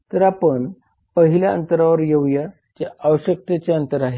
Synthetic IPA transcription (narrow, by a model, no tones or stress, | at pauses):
t̪əɾapəɳ | pəɦiljaə̰nt̪əɾaʋəɾjeʋja | t͡ɕaaʋəɕjək̚t̪et͡ɕaənt̪əɾaɦe